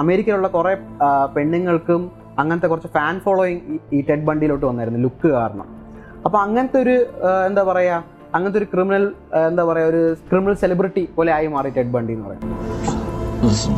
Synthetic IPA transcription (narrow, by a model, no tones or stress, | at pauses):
ɐme̞ːɾikʲːɐluɭːɐkurepe̞ɳːiŋːɐɭkum | ɐŋːɐnɐt̪ːekurɐt͡ɕːɨfaːnfoːɭoːjiŋiːʈeɖ̚bɐɳɖijilo̞ːʈːɨʋɐnːaːjiɾunːɨlukːɨkaːrɐɳɐ̰m | ɐpːoɐŋːɐnɐt̪ːeo̞ɾuend̪aːpɐrɐja | ɐŋːɐnɐt̪̬ːo̞ɾukriminɐlend̪aːpɐrɐjao̞ɾukriminɐlselibriʈːipo̞ːleaːjumaːriʈeɖ̚bɐɳɖijnːɨpɐrɐj̰m